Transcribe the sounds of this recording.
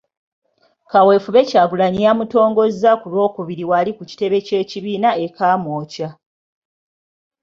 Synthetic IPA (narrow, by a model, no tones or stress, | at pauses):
kawe̞ːfuβe̞caːɡulaɲijamuto̞ːŋɡo̞zːakulwo̞ːkuβiɾiwalikuci̥te̞βe̞ce̞ːciβiːnae̞kaːmoːca